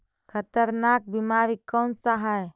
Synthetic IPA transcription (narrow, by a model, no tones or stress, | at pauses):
kʰət̪əɾnaːk̚bimaːɾikɔːnsaɦa